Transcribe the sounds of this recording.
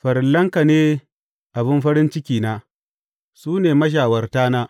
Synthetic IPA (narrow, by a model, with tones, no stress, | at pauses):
ɸɐ˨ɾɪ˨lːɐ˦ŋka˨neː˦ | ʔa˨bɪ˦mɸɐ˦ɾɪ˦nt͡ʃɪ˦kʲiː˨naː˦ | suː˦neː˨mɐ˦ʃ̬aː˨wɐ˨rtaː˦naː˦